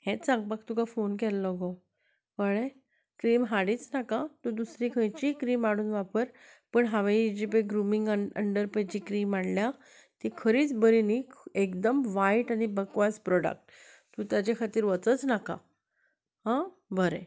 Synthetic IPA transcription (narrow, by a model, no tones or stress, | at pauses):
hẽt͡ssãŋɡ̚bakt̪ukafonkɛlːɔɡɔ | kəɭe | kɾiːmɦaɽiːt͡snakat̪ũd̪usɾikʰə̃jt͡ɕikɾiːmaɽuːnʋapəɾ | pəɳɦaʋeid͡ʑipeɡɾumiŋɡəə̰ɳɖəɾpajd͡ʑikɾiːmaɽlja | t̪ikʰəɾiːt͡sbəɾiniekd̪əmʋajʈañibəkʋaspɾɔɽə̰k̚ʈ | t̪ũt̪jat͡ɕekʰat̪iːɾʋət͡sət͡snaka̰ | hã | bʱəɾḛ